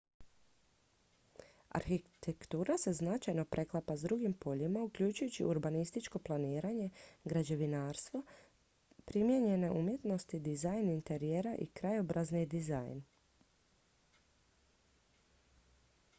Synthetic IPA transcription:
a̰ɾxit̪ʰekt̪uːɾase̞znat͡ʃajno̞pɾʔe̞klˠapazd̪ɾuɡimpo̞ʎimaukʎut͡ʃujut͡ɕḭʔuɾbanist̪it͡ʃko̞plˠaniːɾaɲe̞ɡɾad͡ʑe̞ʋinaːɾst̪ʋo̞ | pɾimje̞ɲe̞ne̞ʔumje̞t̪no̞st̪id̪izajnint̪e̞ɾijeɾaʔḭkɾajo̞bɾaznid̪iza̰jn

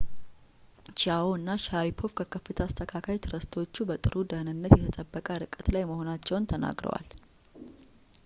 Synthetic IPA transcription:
t͡ʃiawoɨnːaʃaɾipʰo̞fkʰəkʰəfːɨt̪ʰəːst̪ʰəkʰakʰajt̪ʰɨɾəst̪ʰo̞t͡ʃːubət̪ʼɨɾʔud̪ənɨnːət̪jɛt̪ʰət̪ʼəbːəkʼəɾɨkʼət̪lajməho̞nat͡ʃːɛwnt̪ʰəna̰ɡɾə̰wa̰l

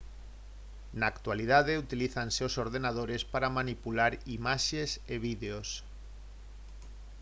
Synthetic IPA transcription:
naːkt̪walið̞aðeut̪iliθanseosoɾðenað̞oɾespaɾamanipulaɾimaʃeseβ̞iðeos

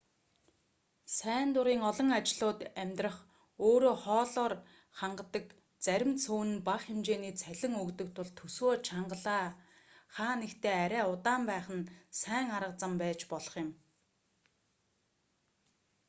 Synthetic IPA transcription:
sæːnt̪ʊɾiːŋɔɮɞ̆ŋat͡ɕɪɮʊːt̪æmʲt̪rə̆χ | oːɾoːχɔːɮɔːr | χaɴɢə̆t̪ə̆k | t͡sæɾʲɪ̆mt͡sʰuːnɘ̆npaχxemt͡ɕeːniːt͡sʰæɮʲɪ̆ŋɵkt̪ɵ̆k̚t̪ʰʊɮt̪ʰːɵswoːt͡ɕʰaɴɢə̆ɮaː | χaːnekt̪ʰeːæɾʲæːʊt̪aːmpæːχə̆nsæːŋaɾə̆qt͡sə̆mpæːt͡ɕpɔɮɞ̥̆χjɪ̆m

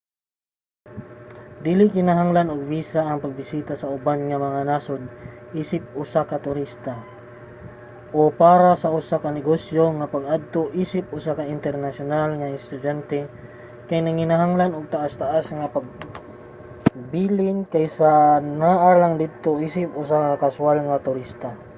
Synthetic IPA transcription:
d̪ilɪkɪnaɦaŋlanoɡ̚viːsaɐŋpɐɡ̚bɪsiːt̪asɐʊbanŋɐmɐŋanasod̪̚ʔiːsɪp̚ʊsakɐt̪ʊɾist̪a | ʔopaːɾasɐʔʊsakɐnɪɡosjoŋɐpɐɡ̚ʔad̪̚t̪oʔiːsɪp̚ʔʊsakaʔɪnt̪ɛɾnasjʊnalŋɐɪst̪ʊd͡ʒant̪ɛ | kajnɐŋɪnaɦaŋlanoɡ̚t̪aʔast̪ɐʔasŋɐpɐɡ̚ | biːlɪnkajsanaʔalaŋd̪ɪd̪̚t̪oʔisɪp̚ʔʊsakakɐsʊalŋɐt̪ʊɾist̪a

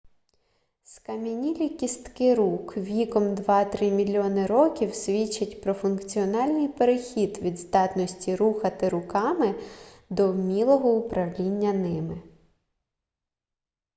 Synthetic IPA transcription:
skɐmʲinʲilʲikʲist̪kɪɾukʋʲikɔmd̪ʋɑt̪ɾɪmʲilʲiɔnɪɾɔkʲiwsʲʋʲit͡ʃːɐtʲpɾɔfʊnkt͡sʲiɔnɑlʲnɨjpeɾexʲid̪ʋʲid̪zd̪ɑt̪nɔsʲtʲiɾuxɐt̪ɪɾʊkɑmɪ | d̪ɔwmʲilˠɔɦɔʊpɾɐwlʲinʲːɐnɪmɪ

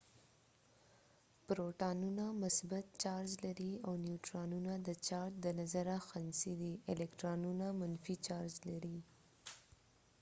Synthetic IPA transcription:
pɾoʈɑnunamʊsbat̪̚t͡ʃɑɾd͡ʒlaɾiawnjuʈɾɑnunad̪ət͡ʃɑɾ̚d̪ənazaɾaxansid̪iɪlɛkʈɾɑnunamanfit͡ʃɑɾd͡ʒlaɾi

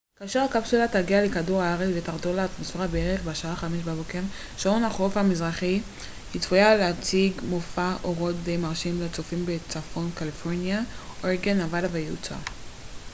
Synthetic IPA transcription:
kaːʃeʁakapsulataɡialekaduʁaaʁet͡svet̪aʁdolaːt̪mosfeʁabeeʁeχbeaʃaaχameʃbabokeʁ | ʃonaχofamizʁaχi | hit͡sfujaleat͡siɡmofaʔoʁo̞t̪̚dejmaʁʃimlet͡sofimbet͡safo̞nkalifo̞ʁnjaoʁɡenavalavejeṵt͡sa̰

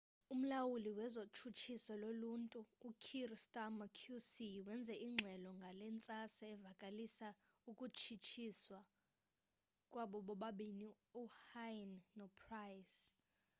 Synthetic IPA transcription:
um̩lawuliwɛzot͡ʃʰut͡ʃʰisɔloluntʼuːkʰirstʼamakʰjusiwɛnd͡zʱɛʔiŋ͡ǁʱɛlɔŋɡʱalɛnt͡sʼasaːvakʼalisa | ukʼut͡ʃʰit͡ʃʰiswa | kʼwaɓɔɓɔɓaɓini | uhajnːɔpʰrajs

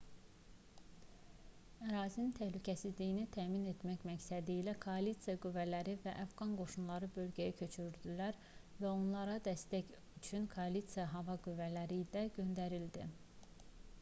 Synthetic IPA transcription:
æɾɑːzinnt̪ʰæhlycʰæsizlijinit̪ʰæːmine̞t̪ʰmæçmæcsæd̪iːlækʰo̞ɑlit̪sijɑɡyvːælæɾivæʔæfɡɑnɡo̞ʃunlˠɑɾɯbø̞lɟæjæcʰø̞t͡ʃʰyɾyɾd̪ylæɾ | væo̞nlˠɑɾɑd̪æst̪æc | yt͡ʃʰynkʰoɑlit̪sijɑɦɑvɑɡyvːælæɾilæɟø̞nd̪æɾild̪ḭ

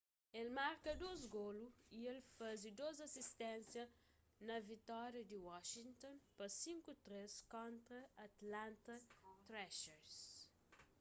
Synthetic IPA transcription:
elmaɾkɐd̪ozɡoluielfazid̪ozɐsist̪ɛ̃nsjɐ | nɐvit̪ɔɾjɐd̪iwɔʃint̪õnpɐsĩŋkut̪ɾeskõnt̪ɾɐɐt̪lãnt̪ɐt̪ɾɛʃeɾs

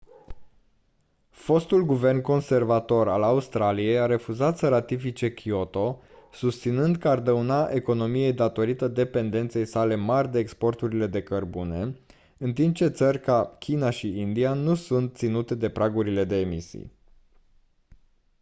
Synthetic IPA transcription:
fo̞st̪ulɡuve̞rnko̞nse̞rvat̪o̞ɾa̰laust̪ɾalije̞jaɾe̞fuzat̪səɾat̪ifit͡ʃe̞kio̞t̪o̞ | sust̪sinɨnd̪kəard̪əunaʔe̞ko̞no̞mije̞jd̪at̪o̞ɾit̪əd̪e̞pe̞nd̪e̞nt̪se̞jsale̞marʲd̪e̞ːkspo̞rt̪uɾile̞d̪e̞kərbune̞ | ɨnt̪imp̚t͡ʃe̞t̪sərʲkakʲʰinaʃiind̪ianusunt̪̚t̪sinut̪e̞d̪e̞pɾʔaɡuɾile̞d̪e̞ːmisḭj

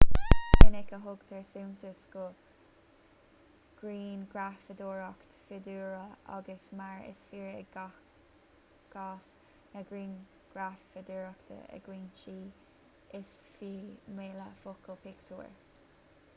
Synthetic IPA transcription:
ənɪkəɦʊɡd̪ɛɹsunt̪əsɡʊ | ɡ̥ɾiːnɡɾafəd̪oːɹɔkt̪fɪd̪uːɹəa̰ɡəsmaɹɪ̰sfiːɹəɡ | ɡ̥ɔs | nəɡɹiːn | ɡ̥ɹafəd̪uːɹɔkt̪ʰə̰ə̰ɡ̥ɾiːnʃiː | ɪs | fimeːləfʊkʰəpʰɪkt̪ʰṵːɹ

